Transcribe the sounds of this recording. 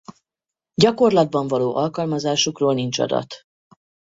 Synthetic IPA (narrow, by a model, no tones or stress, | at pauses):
ɟɒko̞rlɒd̪̚bɒɱvɒloːʔɒlkɒlmɒzaːʃukroːlnint͡ʃɒ̰d̪ɒ̰t̪